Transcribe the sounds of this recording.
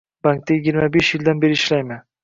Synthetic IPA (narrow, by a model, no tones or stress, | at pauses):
baŋk̚t̪ʰajɪɡʲɪɾmabeʃjɪld̪anbe̞ɾɪɪʃlajman